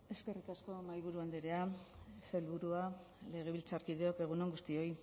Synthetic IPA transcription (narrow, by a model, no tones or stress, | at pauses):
e̞ske̞rikasko̞majβ̞uɾuand̪eɾe̞aselβuɾua | le̞ɣ̞e̞βilt͡saɾkið̞eo̞ke̞ɣ̞unoŋɡust̪io̞j